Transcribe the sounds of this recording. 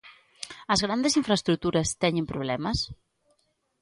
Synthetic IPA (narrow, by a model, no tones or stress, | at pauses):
ɐzɣɾand̪esiɱfɾəest̪ɾut̪uɾɐst̪ɛɲempɾuβ̞lɛmɐs